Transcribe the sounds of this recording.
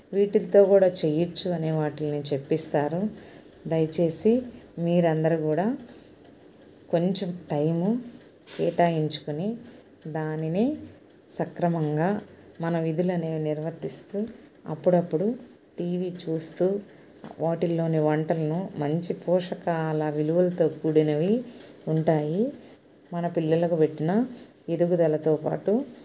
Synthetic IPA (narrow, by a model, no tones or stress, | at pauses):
ʋiːʈilɐt̪o̞ːkuːɽaːt͡ʃejɐt͡ʃːuɐneːʋaːʈilɐnut͡ʃe̞pːist̪aːɾu | d̪ɐjɐt͡ʃe̞ːsimiːɾɐnd̪ɐɾukuːɽaː | ko̞ɲt͡ʃemʈɐjmu | kɛːʈaːjiɲt͡ʃu̥kuni | d̪aːnini | sɐkɾɐmɐŋɡaːmɐnɐʋid̪ʱulɐneːʋniɾʋɐɾt̪ist̪uɐ̰pːuɽɐpːuɽu | ʈiːʋiːt͡ʃuːst̪uː | oːʈilːo̞ːniʋɐɳʈɐlɐnumɐɲt͡ʃipɔːʂɐkaːlɐʋiluʋɐlɐt̪o̞ːkuːɽinɐʋiuɳʈaːji | mɐnɐpilːɐlɐkupeʈːinɐ | eɾuɡud̪ɐlɐt̪o̞ːpa̰ːʈu